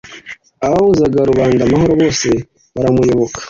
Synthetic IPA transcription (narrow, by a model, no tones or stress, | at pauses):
aβahuzaɡaɾuβaːndamaho̞ɾoβo̞ːse̞ | βaɾamujo̞βo̞kʰḁ